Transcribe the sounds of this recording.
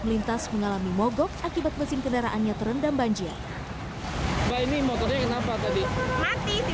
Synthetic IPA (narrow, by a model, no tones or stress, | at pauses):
məlint̪asməŋalamimɔɡɔk̚akibat̪̚məsɪnkəndaɾaʔanɲat̪əɾəndambaɲd͡ʒia̰r | bainimɔɡɔdɲakənapat̪adimat̪i